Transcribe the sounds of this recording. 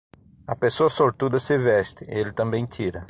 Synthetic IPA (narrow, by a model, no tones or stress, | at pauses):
ɐpesoɐsoɾt̪ud̪ɐsɪvɛst̪ɪelɪt̪ɐ̃mbẽj̃t̪ʰiɾɐ